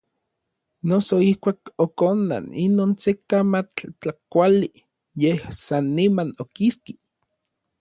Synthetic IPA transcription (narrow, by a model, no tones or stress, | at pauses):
nosoihkʷaːkokonːa̰ninoːnsekamat͡ɬt͡ɬakʷali | jehsanːimanokiski